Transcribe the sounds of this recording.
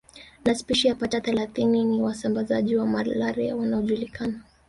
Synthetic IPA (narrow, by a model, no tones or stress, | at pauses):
naspiʃijapataθɛlaθininiwasambazaʄiwamallaɾɛwanaɔʄulikana